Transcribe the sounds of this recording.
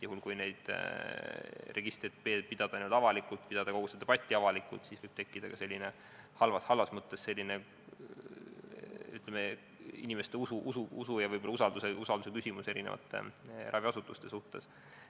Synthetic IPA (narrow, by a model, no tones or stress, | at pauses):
juhulkujne̞jd̪̥ | re̞ɡ̥ist̪rit̪̚ːpeːpid̪̥ɑd̪̥ɑnyd̪ɑvɑlikult̪ːˑpid̪̥ɑd̪ɑko̞ɡ̥used̪eb̥ɑt̪ʲːiɑvɑlikːṵlt̪sisvɤjb̥̚t̪e̞kːid̪̥ɑkɑse̞lʲːine̞ | hɑlvɑshɑlvɑsmɤt̪ːesse̞lʲːine | yt̪leme | ḭnimest̪e̞usuʔusuusujɑvɤjbo̞lːɑusɑld̪̥useusɑld̪us̬ekysʲimuse̞ɾinevɑ̰t̪ːˑḛrɑviɑsut̪ːˑust̪e̞suht̪e̞s